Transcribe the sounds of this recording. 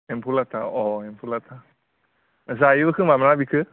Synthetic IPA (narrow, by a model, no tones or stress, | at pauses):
empʰulat̪ʰaɔempʰulat̪ʰa | zajɯbɯkʰɯmamanabikʰɯ